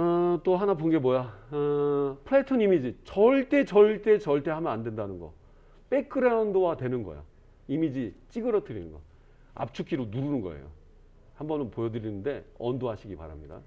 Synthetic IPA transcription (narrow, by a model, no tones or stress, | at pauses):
t͈oɦanaponɡe̞mwʌja | pʰɯɭetʰʌnimid͡ʑit͡ɕʌɭt͈e̞t͡ɕʌɭt͈e̞t͡ɕʌɭt͈e̞hamjʌnandwe̞ndanɯnɡʌ̰ | p͈e̞kʰɯɾaundowatwe̞nɯnɡʌ̰jo̰ | imid͡ʑit͡ɕ͈iɡɯɾʌtʰɯɾinɯnɡʌ̰ | a̰p̚t͡ɕʰukʰiɾonuɾunɯnɡʌ̰ḛjo̰ | hambʌnɯnpojʌdɯɾinɯnde̞ʌndoɦaɕʰiɡipa̰ɾa̰mɲida̰